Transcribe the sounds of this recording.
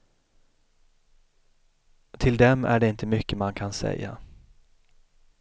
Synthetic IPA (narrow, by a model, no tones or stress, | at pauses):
t̪ʰɪld̪ɛmæ̰ɖɛɪnt̪əmʏkːəmankʰansɛ̰jːa̰